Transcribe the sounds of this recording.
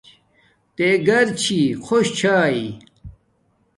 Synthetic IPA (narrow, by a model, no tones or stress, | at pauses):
t̪eɡɐɾt͡ɕʰixʰoɕt͡ɕʰaːi